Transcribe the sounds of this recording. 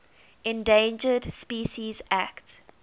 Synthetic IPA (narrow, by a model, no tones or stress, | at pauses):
ɛ̃ndẽnd͡ʒədspiːʃizækt